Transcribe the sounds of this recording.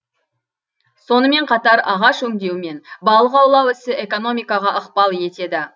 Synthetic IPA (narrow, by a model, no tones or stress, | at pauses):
so̞nəme̞ɴqʰɑt̪ɑɾɑʁɑʃɵŋd̪e̞wme̞nbɑlˠəʁɑwlˠɑwɪsɪʔe̞ko̞no̞mijkɑʁɑʔəqpɑlˠje̞t̪e̞d̪ɪ